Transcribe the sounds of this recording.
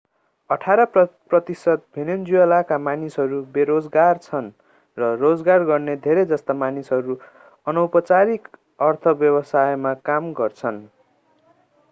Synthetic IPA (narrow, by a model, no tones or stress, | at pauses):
ʌʈʰaɾʌprʌt̪isʌt̪̚bʱinemd͡ziwalakamanisɦʌɾubeɾod͡zɡart͡sʰʌn | rʌrod͡zɡarɡʌrned̪ʱeɾʌjd͡zʌst̪amanisʌɾu | ʌnʌwpʌt͡saɾik | ʌrt̪ʰʌbjʌbʌsajmakamɡʌrt͡sʰʌn